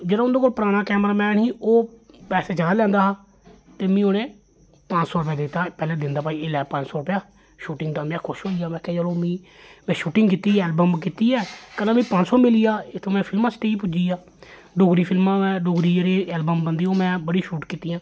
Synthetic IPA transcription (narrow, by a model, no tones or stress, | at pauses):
d͡ʒeːɽãːʊnd̪oːkoːlpəɾaːɽ̃aːkɛːmɾaːmɛːnɦiːʔoːpɛːseːt͡ʃəaːlɛ̃ːnd̪aːɦaː | t̪eːmĩːoːnẽː | pə̃ɲt͡ʃsɔːɾʊpjaːd̪ɪt̪ːaːpɛːlẽːd̪ɪnd̪aːpaːiːɪlɛːpə̃ɲt͡ʃsɔːɾʊpjaː | ʃuːʈɪŋɡd̪aːmãːkʰʊʃɦoːijaːmɛ̃ːkɛ̃ːd͡ʒəlõːmĩː | mɛ̃ːʃuːʈɪ̃ŋɡkiːt̪ːiːɛːlbəmkit̪iːɛːkəlãːmĩːpəɲt͡ʃsɔːmɪlijaːɪt̪ʰːõːmɛ̃ːpʰɪlmãːsʈeːiːp̬ʊd͡ʒiːaː | ɖoːɡɾiːpʰɪlmãːɛ̃ːɖoːɡɾiːd͡ʒeɾeːɛːlbəmbənd̪iːoːmɛ̃ːbəɽiːʃuːʈkiːt̪iːjãː